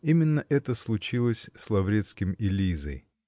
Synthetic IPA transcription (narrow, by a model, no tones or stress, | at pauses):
imʲɪnːəʔɛt̪əslˠʊt͡ɕilˠəsʲslˠɐvɾʲet̪skʲɪmɪlʲizə̰j